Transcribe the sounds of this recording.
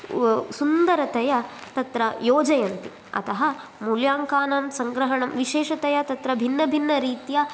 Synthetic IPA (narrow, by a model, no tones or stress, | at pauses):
sund̪ɐɾɐt̪ɐjɐt̪ɐt̪ɾɐjoːd͡ʒɐjɐnt̪i | ɐ̰t̪ɐɦɐ | muljaːŋkaːnamsɐŋɡɾɐɦɐɳɐmʋiʃeːʂɐt̪ɐjɐt̪ɐt̪ɾɐbʱinːɐbʱinːɐɾiːt̪jɐ